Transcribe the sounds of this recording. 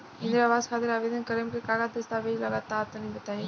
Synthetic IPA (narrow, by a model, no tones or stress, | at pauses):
ɦɪ̃nd̪ɾɐʋaːzxaːt̪ɪɾaːʋeːd̪ənkɐɾəmkʰekaːɡad̪ɐst̪aːʋeːd͡ʒlɐɡaːt̪aːt̪ənĩʋɐt̪aːɦeː